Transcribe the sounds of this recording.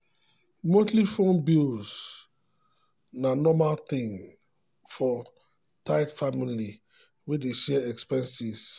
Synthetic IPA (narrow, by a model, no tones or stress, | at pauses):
motlifõnbils | nanɔmalt̪ĩŋ | fɔ | taɪtfamili | wedeʃɛɛkspɛ̃nsis